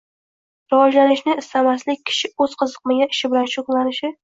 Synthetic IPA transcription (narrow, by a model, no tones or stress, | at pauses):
ɾawɒd͡ʒlanɪʃnɪːst̪amaslɪkʲʰːɪ̥ʃɪɵz̥qʰɨzɨq̚maɡʲaɪʃɪbɪlanʃoklˠanɪʃɪ